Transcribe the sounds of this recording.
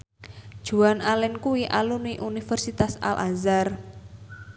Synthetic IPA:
d̥ʒ̥ṳanalɛnkuwiʔaluniʔunifərsit̪asa̰lʔa̰zar

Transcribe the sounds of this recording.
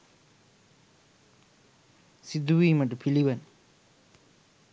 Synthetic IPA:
sid̪uwiːmɐʈupʰiliʋɐn

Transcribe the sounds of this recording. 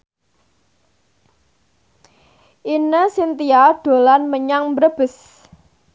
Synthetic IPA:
ʔinəsint̪iaɖ̥o̤lanməɲaŋmbɾəb̥ə̤s

